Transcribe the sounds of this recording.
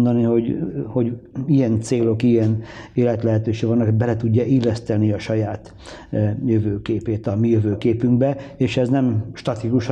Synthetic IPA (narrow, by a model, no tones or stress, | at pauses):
nd̪ɒniho̞ɟho̞ɟijɛnt̪seːlo̞kijɛneːlɛt̪lɛɦɛt̪øːʃeːɡʋɒnːɒkobɛlɛt̪uɟːɒilːɛst̪ɛniɒʃɒjaːt̪ | jøvøːkeːpeːt̪ɒmijøvøːkeːpyŋɡbɛeːʃɛznɛmʃt̪ɒt̪ikuʃ